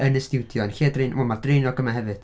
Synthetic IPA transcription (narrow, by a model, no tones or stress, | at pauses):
ənəsd̥ɪwdjɔnxiːadrejnmʊmadrejnɔɡəmaɦɛvɨd̥